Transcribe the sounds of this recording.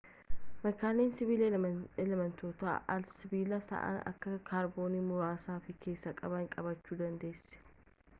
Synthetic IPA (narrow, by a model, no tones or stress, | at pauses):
mɛkaːneːnsɪβiːlelɐmɐnt̪o̞ːt̪a̰ʔɐlsɪbiːlɐsɐ̰ʔɐ̰nɐ̰kːɐkʰaːɾbo̞ːnimʊɾaːsaːfɪkʰe̞ːsːɐkʼɐbɐɪŋkʼɐbɐt͡ʃːuːd̪ɐnd̪e̞ːsɛ̥